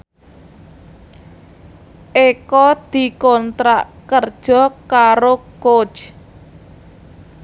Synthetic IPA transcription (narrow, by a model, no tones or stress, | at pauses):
ʔekɔd̪̥i̤kɔnt̪ɾaʔkərd̥ʒ̥ɔ̤kaɾoko̥t͡ʃ